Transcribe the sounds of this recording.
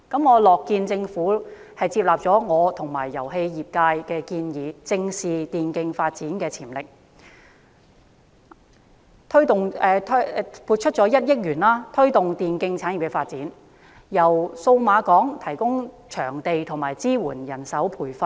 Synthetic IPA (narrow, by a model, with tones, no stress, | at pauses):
kɐ˨˥mŋɔː˨˧lɔː˨kːiː˧nt͡sɪ˧ŋfuː˨˥ | hɐ˨jt͡siː˧p̚laː˨˩p̚t͡sɔː˨˥ŋɔː˨˧t̪ʰʊ˨˩ŋmaː˨˩jːɐ˨˩wɦe˧jjiː˨˩p̚kaː˧jkɛː˧kiː˧njiː˨˧t͡sɪ˧ŋsiː˨t̪iː˨nkɪ˧ŋfaː˧t̚t͡siː˨˥nkɛː˧t͡sʰiː˨˩mlɪ˨k̚ | t̪ʰɵ˥ɥt̪ʊ˨ŋɛː˧t̪ʰpuː˧t̚t͡ʃʰɵ˥t̚t͡sɔː˨˥jɐ˥t̚jɪ˥k̚jyː˨˩nlaː˥t̪ʰɵ˥ɥt̪ʊ˨ŋt̪iː˨nkɪ˧ŋt͡sʰaː˨˥njiː˨˩pkɛː˧faː˧t̚t͡siː˨˥n | jɐ˨˩wso˧wmaː˨˧kɔː˨˥ŋt̪ʰɐ˨˩jkʊ˥ŋ | t͡ʃʰœː˨˩ŋt̪e˨jt̪ʰʊ˨˩ŋmaː˨˩jt͡siː˥wuː˨˩njɐ˨˩nsɐ˨˥wpʰuː˨˩jfɐ˧